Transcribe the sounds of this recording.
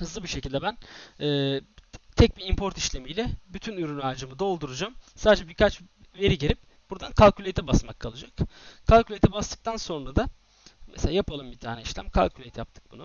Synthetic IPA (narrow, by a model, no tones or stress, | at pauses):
hɯzlˠɯbiʃecʰilʲd̪ɛbænɛːt̪ʰɛc̚biimpʰo̞ɾt̪iʃlʲemijlʲɛbyt̪ʰynyɾynaːd͡ʒɯmɯd̪aolˠd̪uɾud͡ʒamsaːd̪ed͡ʒɛbiɾkʰat͡ʃ | ve̞ɾiɟeɾip̚ | b̥uɾd̪ankʰalʲkʰylʲet̪ʰɛbasmakʰːalˠɯd͡ʒakkʰːalʲkʰylʲet̪ʰɛbast̪ɯ̥k̚t̪ʰanso̞nɾad̪a | meselʲaːjapʰalˠɯmbit̪ʰaːnɛiʃlʲæ̰mkʰa̰lʲcʰylʲet̪ʰija̰p̚t̪ʰɯ̥k̚bunu